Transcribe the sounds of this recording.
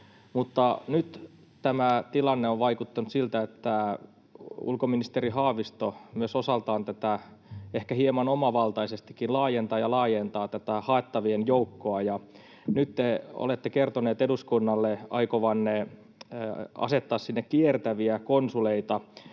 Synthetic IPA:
mut̪ːɑnyt̪ | t̪æmæt̪ilɑnːeoʋʋɑikut̪ːɑnut̪silt̪æet̪ːæ | ṵlkominist̪eriɦɑːʋist̪omyøsosɑlt̪ɑːnt̪æt̪æehkæhiemɑnomɑʋɑlt̪ɑisest̪ikːinlɑːjent̪ɑːjɑlɑːjent̪ɑːt̪æt̪æhɑet̪ːɑʋienjoukːoɑjɑ | nyt̪t̪eo̰let̪ːekert̪oneːt̪eduskunːɑlːeɑ̰ikoʋɑnːe | ɑ̰set̪ːɑːssinːekkiert̪æʋiækonsuleit̪ɑ

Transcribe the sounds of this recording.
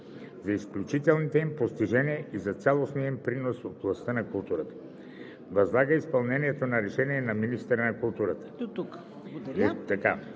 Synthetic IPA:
zɐisklʲut͡ʃit̪ɛlˠnit̪ɛimpost̪iʒɛniɛʔizɐt̪sʲalˠosnijəimpɾinosotvlˠɐst̪ənɐkulˠt̪uɾət̪ə̥ | vɐzlˠaɡəispɐlˠnɛniɛt̪onɐɾɛʃɛniɛnɐminist̪ɛɾənɐkulˠt̪uɾət̪ə̥t̪uk | t̪aka

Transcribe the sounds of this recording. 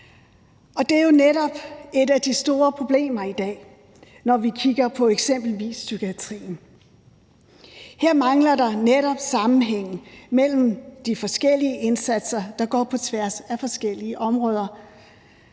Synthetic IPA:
ɒ̽d̥e̝æɐjo̝neɾɒ̽b̥e̝d̥æd̥isd̥o̝ːɐpʰʁo̝b̥le̝̰ːmɐid̥ɛ̰ː | nɒʋikʰiɡ̥ɐpʰɒ̽eɡ̥sem̰b̥l̩ʋḭːsːyɡ̥iæt͡sʰʁḭːn̩ | heɐ̰mɑ̈ŋlɐdɑ̈neɾɒ̽b̥sɑ̈mn̩ɦeŋ̰̩mel̰m̩d̥ifɒ̽sɡ̥el̰iəʔe̝nsæd̥sɐd̥ɑ̈ɡ̥ɒ̰ːpʰɒ̽t͡sʰʋæɐsæfɒ̽sɡ̥el̰iəʔɒ̽mʁɔ̽ːð̞ˠɐ

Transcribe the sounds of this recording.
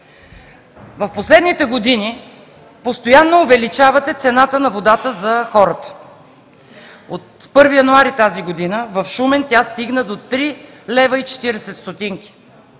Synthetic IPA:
vɐfposlɛd̪nit̪ɛɡod̪ini | post̪ojanːoʊvɛlit͡ʃavɐt̪ɛt̪sɛnat̪ənɐvod̪at̪əzɐxɔɾət̪ə̥ | ot̪̚pɤɾvijɐnuaɾit̪aziɡod̪inəvɐfʃumɛnt̪ʲjast̪iɡnəd̪ot̪ɾi | lɛvəit͡ʃɛ̥t̪iɾɛsɛt̪st̪ot̪iŋkʲi̥

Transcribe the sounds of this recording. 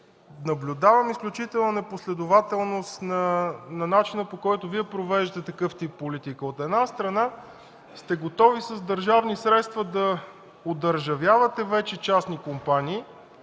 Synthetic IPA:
nɐblʲʊd̪avɐmisklʲut͡ʃit̪ɛlˠnənɛposlɛd̪ʊvat̪ɛlˠnost̪nɐnɐnat͡ʃinəpokɔjt̪ʊviɛpɾovɛʒt̪ɛt̪ɐkɤft̪ipːolit̪ikəot̪ɛd̪nast̪ɾɐna | st̪ɛɡot̪ɔvisəzd̪əɾʒavnisɾɛt̪st̪vəd̪ɐ | od̪əɾʒɐvjavət̪ɛvɛt͡ʃɛt͡ʃasnikompaniː

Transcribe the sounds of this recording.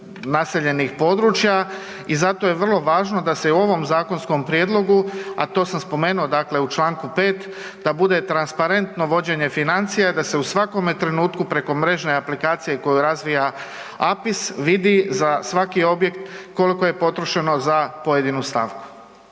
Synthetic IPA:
nase̞ʎe̞nixpo̞d̪ɾut͡ʃja | izat̪o̞je̞ʋr̩lˠo̞ʋaːʒnod̪ase̞uo̞ʋo̞mzaːko̞nsko̞mpɾjed̪lˠo̞ɡua̰t̪o̞ːsamspo̞me̞ːnuo̞d̪akle̞ut͡ʃlˠaːŋkupe̞ːt̪ | d̪abud̪e̞t̪ɾanspaɾe̞nt̪no̞ʋo̞d͡ʑe̞ɲe̞finant̪sijaid̪ase̞usʋako̞met̪ɾe̞nuːt̪kupɾe̞ko̞mɾe̞ʒne̞aplikaːt̪sije̞ko̞juɾazʋija | apisʋid̪izasʋakio̞bje̞kt̪ko̞liko̞je̞po̞t̪ɾoʃe̞no̞zapo̞je̞d̪inust̪a̰ʋku̥

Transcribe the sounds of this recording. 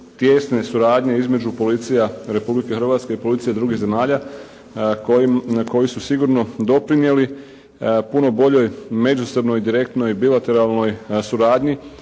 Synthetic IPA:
t̪je̞sne̞suɾaːd̪ɲe̞izme̞d͡ʑupo̞lit̪sijaɾe̞publike̞xɾr̩ʋat̪ske̞ipo̞lit̪sijed̪ɾuːɡiɦze̞maːʎa | koko̞jisusiɡuɾno̞d̪o̞pɾinje̞li | puno̞bo̞ʎo̞jme̞d͡ʒuso̞bno̞jd̪iɾe̞k̚t̪no̞jbilat̪e̞ɾalˠno̞jsuɾaːd̪ɲi

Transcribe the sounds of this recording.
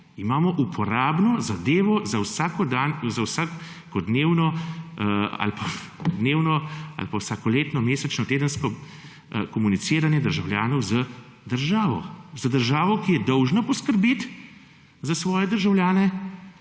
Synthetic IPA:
imaːmɔʔupʰɔɾaːbnɔzad̪eːʋɔzawsakɔd̪anzawsa | kɔd̪neːwnɔ | a̰lpad̪neːwnɔa̰lpawsaːkɔleːt̪nɔmeːsɛt͡ʃnɔt̪eːd̪ənskɔ | kɔmunit̪siːɾanjɛd̪əɾʒawljaːnɔwzə | d̪əɾʒaːʋɔ̰zad̪əɾʒaːʋɔkijɛd̪ɔwʒnapɔskəɾbeːt̪ | zasʋɔːjɛd̪əɾʒawljaːnɛ

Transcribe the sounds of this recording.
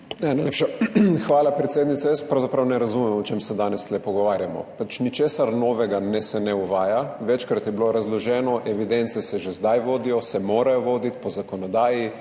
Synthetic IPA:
nɛnajlepʃɛxʋaːlapɾɛt̪seːd̪nit̪sɛjəspɾawzapɾawnɛɾazumɛmɔt͡ʃemsɛd̪aːnɛslɛpɔɡɔʋaːɾjamɔ̰pat͡ʃnit͡ʃeːsaɾnɔːʋɛɡanɛsɛnɛuʋaːjaʋɛt͡ʃkɾat̪jɛbiloɾazlɔʒɛːnɔʔɛʋid̪ɛnt̪sɛsɛʒezd̪ajʋoːd̪ijɔsɛmoːɾajɔʋoːd̪it̪pɔzakɔnɔd̪aːji

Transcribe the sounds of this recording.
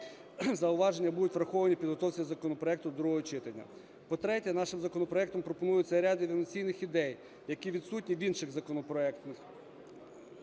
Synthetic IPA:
zɐʊʋɑʒenʲːɐbud̪ʊtʲʋɾɐxɔʋɐnʲipʲid̪ɦɔt̪ɔwt͡sʲʋʲizɐkɔnɔpɾɔɛk̚t̪ʊd̪ɾuɦɔɦɔt͡ʃɪt̪ɐnʲːɐ̰ | pɔt̪ɾɛtʲɛnɑʃɪmzɐkɔnɔpɾɔɛk̚t̪ɔmpɾɔpɔnujʊtʲt͡sʲɐɾʲɑd̪ɪʋʲnɔt͡sʲijnɪxid̪ɛj | jɐkʲiʋʲid̪sutʲnʲiʋʲinʃɪɣzɐkɔnɔpɾɔɛkt̪nɪx

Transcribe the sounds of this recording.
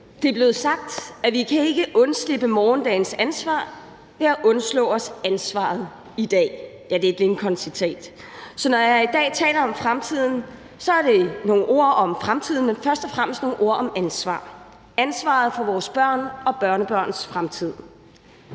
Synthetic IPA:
d̥e̝b̥le̝ð̩ˠsɑ̈ɡ̥̚d̥æʋikʰæe̝ɡ̥əʔɔ̽nsle̝b̥əmɒːnd̥ɛ̰ɪn̩sænsʋɑ̰̈ː | ʋe̝æʔɔ̽nslɔ̰̽ːɒ̽sænsʋɑ̰̈ːð̩ˠ | id̥ɛ̰ːjæd̥e̝ed̥le̝nkʰɒ̽nsit͡sʰɛ̰ːd̥ | sɒ̽nɒjɑ̈id̥ɛ̰ːt͡sʰɛ̰ːlɐɒ̽mfʁamt͡sʰið̞̰ˠn̩ | sɒ̽æɐɾ̥e̝no̝ːn̩ʔo̝ɐ̰ɒ̽mfʁamt͡sʰið̞̰ˠn̩menfɶɐsd̥ɒfʁam̰sd̥no̝ːn̩ʔo̝ɐ̰ɒ̽mænsʋɑ̰̈ː | ænsʋɑ̈ð̩ˠfɒ̽ʋɒːsb̥ɶɐ̰nɒ̽b̥ɶɐnəb̥ɶɐ̰nsfʁamt͡sʰið̞̰ˠ

